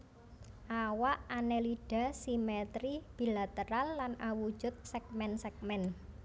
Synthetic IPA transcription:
ʔawaʔaneliɖ̥a̤simɛt̪ɾib̥i̤lat̪əɾalːanawu̥ʒ̥ʊ̤t̪̚sɛk̚mɛnsɛk̚mɛn

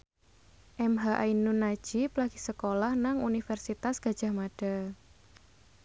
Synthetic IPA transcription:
ʔɛmɦaʔainunːḁʒ̥iplaɡ̥i̥səkolahnaŋunifɛrsit̪asɡ̥a̤d̥ʒ̥a̤hmaɖ̥a̤

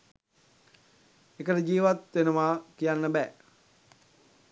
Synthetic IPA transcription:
ekəʈəd͡ʒiːʋat̪ʋenəʋaːkijanːəbɛː

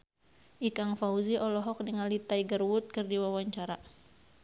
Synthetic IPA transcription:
ʔikaŋfauziʔɔlɔɦɔk̚dəŋalit̪aiɡərwʊt̪̚kɨrdiwawaɲt͡ʃaɾa

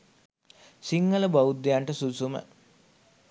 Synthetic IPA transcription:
siŋɡələbaud̪ːejaɳʈəsusumə̰

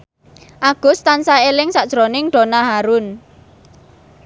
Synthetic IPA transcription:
ʔaɡ̥ʊ̤st̪ansaelɪŋsaʔd̥ʒ̥ɾonɪŋɖ̥o̤naɦaɾʊn

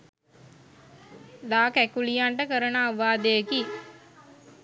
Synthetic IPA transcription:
laːkækulijaɳʈəkəɾənaːʋaːd̪əjəki

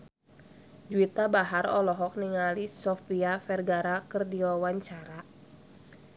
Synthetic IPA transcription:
d͡ʒuit̪abaɦarɔ̰lɔɦɔk̚niŋalisɔfiafɛrɡaɾakərdiɔwaɲt͡ʃaɾa

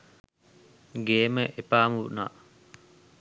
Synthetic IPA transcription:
ɡeːməʔepaːmuna̰

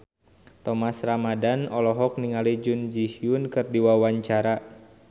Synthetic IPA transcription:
t̪ɔmasramadanɔlɔɦɔk̚niŋalid͡ʒʊnd͡ʒihiʊnkɨrdiwawaɲt͡ʃaɾa

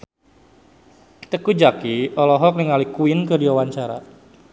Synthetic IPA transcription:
t̪əkud͡ʒakiɔlɔɦɔk̚niŋalikuɪnkədiwawaɲt͡ʃaɾa̰

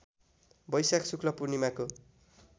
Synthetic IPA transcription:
bʌjsaksukʰlʌpurnimako

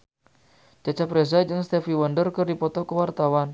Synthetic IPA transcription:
d͡ʒat͡ʃapɾezad͡ʒɨŋst̪ɛfiwandərkərdipɔt̪ɔkəwart̪awan

